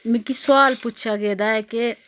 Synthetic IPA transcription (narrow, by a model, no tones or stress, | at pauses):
mɪkisʊaːlput͡ʃʰaɡeːd̪aɛke